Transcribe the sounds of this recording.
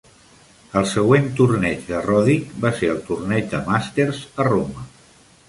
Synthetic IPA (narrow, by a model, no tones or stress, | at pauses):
əlˠsəɣwent̪urnɛt͡ʃðərɔðikbaseəlˠt̪urnɛd͡ʒd̪əmast̪erzəromə